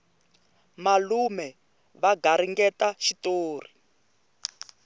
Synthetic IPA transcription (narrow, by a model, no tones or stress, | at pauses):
malumɛ | βaɡʱaɾ̤iŋɡɛtaʃitoːr̤i